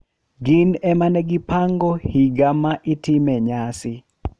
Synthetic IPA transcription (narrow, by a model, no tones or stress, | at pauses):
ɡɪnɛmanɛɡɪpaŋɡɔhiɡamaʔɪtɪmɛɲasɪ